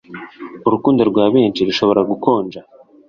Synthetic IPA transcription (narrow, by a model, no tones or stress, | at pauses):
uɾukuːndoɾɡwaːβeːnʃiɾuʃo̞βo̞ɾaɡuko̞ːnd͡ʒa